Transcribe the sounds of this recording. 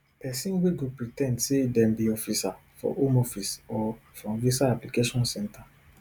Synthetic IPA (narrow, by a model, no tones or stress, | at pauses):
pɛsĩnweɡopɹitɛ̃ndsedɛ̃mbiɔfisa | fɔ̰ʔomɔfisɔfɔ̃mvisaaplikeʃɔ̃nsɛ̃ntʰa